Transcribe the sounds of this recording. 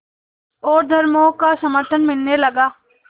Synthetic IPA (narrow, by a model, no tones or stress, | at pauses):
oːɾd̪ʱɐɾmõkasɐməɾt̪ʰənmɪlnelɐɡaː